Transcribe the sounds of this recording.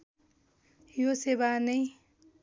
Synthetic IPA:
josebanʌj

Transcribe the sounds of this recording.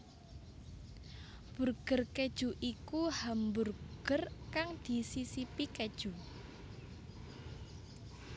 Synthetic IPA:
b̥ṳrɡ̥ərked̥ʒ̥uʔikuhamburɡ̥ərkaŋd̪̥i̤sisipiked̥ʒ̥u

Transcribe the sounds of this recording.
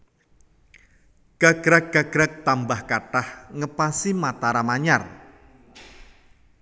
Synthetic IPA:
ɡ̥aɡ̥ɾak̚ɡ̥aɡ̥ɾak̚t̪ambahkaʈahŋəpasimat̪aɾamaɲar

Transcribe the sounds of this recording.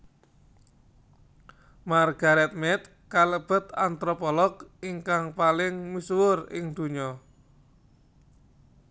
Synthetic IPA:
marɡ̥a̤ɾɛt̪̚mɛt̪̚ | kaləb̥ə̤t̪a̰nt̪ɾɔpɔlɔɡiŋkaŋpalɪŋmiswʊrɪ̰ŋd̪̥ṳɲɔ

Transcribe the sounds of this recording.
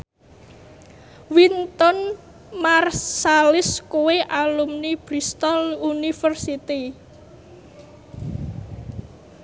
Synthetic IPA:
wint̪ɔn | marsalɪskuweʔalumnib̥ɾist̪ɔlunifərsit̪i

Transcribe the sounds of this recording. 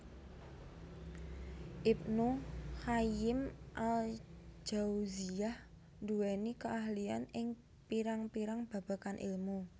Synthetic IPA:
ʔip̚nuhajɪmʔald͡ʒ̥auziah | nd̪uwɛnikəaɦlia̰nɪŋ | piɾaŋpiɾaŋb̥a̤b̥a̤kanʔɪ̰lmu

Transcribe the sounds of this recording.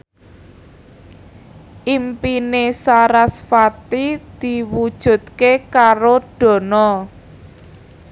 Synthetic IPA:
ʔimpinesaɾasfat̪id̪̥i̤wud̥ʒ̥ṳt̪̚kekaɾoɖ̥ɔ̤nɔ

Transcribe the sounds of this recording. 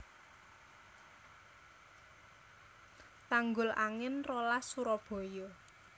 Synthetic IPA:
t̪aŋɡʊlʔaŋɪnrolasuɾɔb̥ɔ̤jɔ

